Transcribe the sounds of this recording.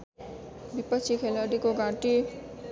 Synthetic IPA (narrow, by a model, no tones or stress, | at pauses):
bipət͡ʃʰikʰeləɖikoɡãʈi